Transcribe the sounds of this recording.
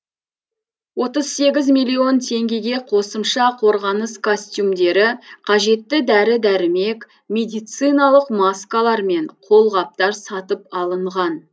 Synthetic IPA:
wo̞t̪əzse̞ɡʲɪzmijlʲːio̞nt̪ʰe̞ŋɡʲe̞ɡʲe̞qʰo̞səmʃɑqʰo̞ɾʁɑnəskʰosʲt̪ʲjumd̪e̞ɾɪqʰɑʒe̞t̪ːɪd̪æɾɪd̪æɾɪme̞k | mʲe̞d̪ijt̪sɨjnɑlˠəqmaskalˠɑɾme̞ɴqʰo̞lˠʁɑp̚t̪ɑɾsɑt̪əp̚ɑlˠəɴʁɑn

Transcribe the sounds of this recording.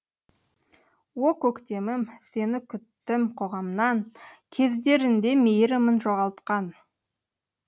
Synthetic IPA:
wokʲʰɵkt̪e̞mɪmse̞nɪkʲʰʏt̪ːɪmqʰo̞ʁɑmnɑŋkʲʰe̞zd̪e̞ɾɪnd̪e̞mejɾɪmənʒoʁɑlˠt̪qɑn

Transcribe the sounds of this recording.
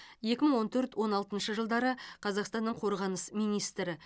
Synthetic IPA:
je̞kʲɪməɴwo̞nt̪ʰɵɾt̪wo̞nɑlˠt̪ənʃəʒəlˠd̪ɑɾəqʰɑzɑqst̪ɑnːəɴqʰo̞ɾʁɑnəsmijnijst̪ɾɪ

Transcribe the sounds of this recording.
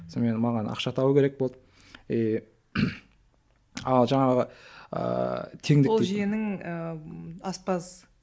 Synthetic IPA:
sonmenmɑʁɑnɑ̰qʃɑt̪ʰɑwəkʲe̞ɾek̚bolˠd̪ə | e | ɑlˠʒɑɴɑʁəə̰t̪ʰe̞ŋd̪ɪolˠʒijenɪŋəɑspɑz

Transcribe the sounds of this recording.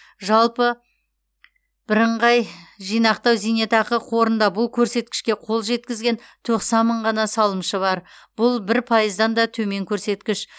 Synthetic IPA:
ʒɑlˠpə | b̥ɪɾəɴʁɑjʒijnɑqt̪ɑwzijnet̪ɑqəqʰo̞ɾənd̪ɑbʊlˠkʲʰɵɾse̞t̪̚kʲɪ̥ʃkʲe̞qʰo̞lˠʒe̞t̪kʲɪzɡʲe̞nt̪ʰo̞qsɑnməɴʁɑnɑsɑlˠəmʃəβɑɾb̥ʊlˠbɪɾpʰɑjəzd̪ɑnd̪ɑt̪ʰɵme̞ŋkʲʰɵɾse̞t̪kʲɪʃ

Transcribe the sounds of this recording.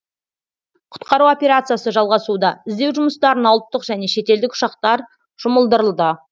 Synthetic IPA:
qʰʊ̥t̪qɑɾuwo̞pʲe̞ɾat̪sɨjasəʒɑlˠʁɑsud̪ɑɪzd̪e̞wʒʊməst̪ɑɾənɑwlˠət̪ːəqʒæne̞ʃe̞t̪e̞ld̪ɪkʊ̥ʃɑq̚t̪ɑɾ | ʒ̥ʊməlˠd̪əɾəlˠd̪ə

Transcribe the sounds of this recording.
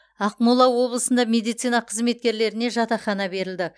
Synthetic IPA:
ɑqmulˠɑwo̞blˠəsənd̪ɑmʲe̞d̪ijt̪sijnɑqʰəzme̞t̪̚kʲe̞ɾle̞ɾɪne̞ʒɑt̪ɑχɑnɑbe̞ɾɪld̪ɪ

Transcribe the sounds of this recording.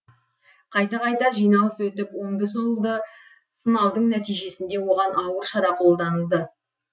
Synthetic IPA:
qʰɑjt̪ɑqɑjt̪ɑʒijnɑlˠəswɵt̪ɪpwo̞ɴd̪əsolˠd̪ə | sənɑlˠd̪əɴnæt̪ijʒe̞sɪnd̪e̞wo̞ʁɑnɑwəɾʃɑɾɑqʰo̞lˠd̪ɑnəlˠd̪ə

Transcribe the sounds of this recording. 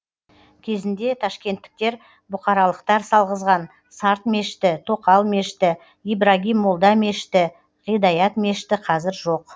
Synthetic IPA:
kʲʰe̞zɪnd̪e̞t̪ʰɑʃkʲe̞nt̪ːɪ̥k̚t̪e̞ɾ | bʊqɑɾɑlˠəqt̪ɑɾsɑlˠʁəzʁɑn | sɑɾt̪me̞ʃɪt̪ɪt̪ʰo̞qɑlˠme̞ʃɪt̪ɪ | ijbɾaɡʲijmolˠd̪ɑme̞ʃɪ̥t̪ɪ | ʁijd̪ɑjɑt̪me̞ʃɪ̥t̪ɪqʰɑzɪɾʒoq

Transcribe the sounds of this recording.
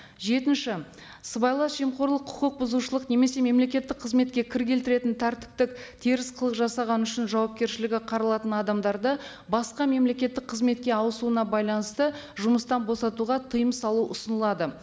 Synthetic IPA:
ʒe̞t̪ɪnʃɪ | səbɑjlˠɑsʒemqo̞ɾlˠəqʰʊqəq̚bʊzuʃəlˠəqne̞me̞se̞me̞mle̞kʲe̞t̪ːɪk̚qʰːəzme̞t̪̚kʲe̞kʲʰɪɾɡʲe̞lt̪ɪɾe̞t̪ɪnt̪ʰæɾt̪ɪ̥p̚t̪ɪkt̪ʰeɾɪsqʰəlˠəqʒɑsɑʁɑnʏʃɪnʒɑwɑp̚kʲe̞ɾʃɪlɪɡʲɪqʰɑɾɑlˠɑt̪ənɑd̪ɑmd̪ɑɾd̪ə | bɑsqɑme̞mle̞kʲe̞t̪ːɪk̚qʰəzme̞t̪kʲe̞ɑwəsuənɑbɑjlˠɑnəst̪ə | ʒʊməst̪ɑnbo̞sɑt̪uʁɑt̪ʰəjəmsɑlˠuʔʊsənəlˠɑd̪ə

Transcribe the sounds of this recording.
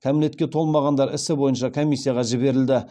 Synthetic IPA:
kʲʰamɪle̞t̪̚kʲe̞t̪ʰo̞lˠmɑʁɑnd̪ɑɾɪ̰sɪbo̞jənʃɑkʰomʲijsːijɑʁɑʒɪbe̞ɾɪld̪ɪ

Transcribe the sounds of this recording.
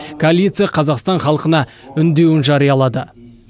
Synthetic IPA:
kʰoalʲit̪sɨjaqʰɑzɑqst̪ɑɴχɑlˠəqənɑ | ʏnd̪e̞wɪnʒɑɾijɑlˠɑd̪ə

